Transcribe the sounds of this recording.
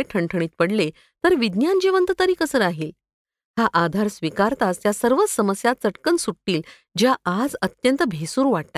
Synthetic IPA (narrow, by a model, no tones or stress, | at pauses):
eʈʰəɳʈʰəɳ̃iːt̪̚pəɽle | t̪əɾʋid̪njand͡ʑeʋənt̪ət̪əɾiːkəsəɾaɦiːl | ɦaʔad̪ʱaɾsʋikaɾt̪ast̪jasəɾʋət͡ssəməsjat̪̚t͡səʈkənsuʈːiːl | d͡ʑjaad͡zət̪jənt̪əbʱesuːɾʋaɽt̪a